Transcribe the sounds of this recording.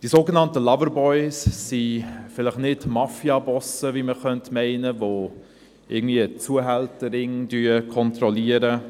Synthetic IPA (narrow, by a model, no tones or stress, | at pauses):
d̥isoːɡənɑntəlɑvəɾbɔʏsːifɪlɪχnɪdmɑfiɑbɔsəviməχœntmɛɪnəvoː | ʔɪ̰ɡən̩dviːət͡suːəɦɛltəɾɪŋdyːəkʰɔntrɔliəɾə